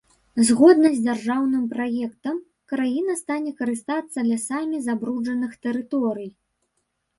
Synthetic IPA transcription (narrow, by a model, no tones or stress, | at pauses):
zɣɔd̪nɐzʲd͡zʲarʐawnɨmpɾajɛkt̪ɐm | kɾajinɐst̪anʲɛkɐɾɨst̪at̪sːɐd̪lʲasamʲizabɾud͡ʐɐnɨxt̪ɛɾɨt̪ɔɾɨj